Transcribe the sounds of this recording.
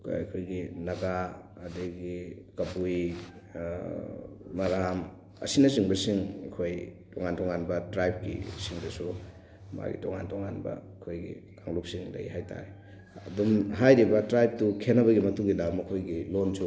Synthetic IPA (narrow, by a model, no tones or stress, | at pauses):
kkʰojɡinɐɡa | ɐdeɡikɐpuj | maɾam | ɐ̰sinɐsiŋbɐsiŋɐkʰoj | tɔŋantʰɔŋanbɐtɾajb̚kḭsiŋdɐsu | ma̰ɡḭtɔŋa̰ntʰɔŋa̰nbɐ̰ | kʰojɡḭkaŋlup̚siŋlɐ̰jhajta̰ɾe | ɐ̰dumɦajɾibɐtɾajp̚tukʰenɐβɐɡimɐtuŋɡilamɐkʰojɡilonsu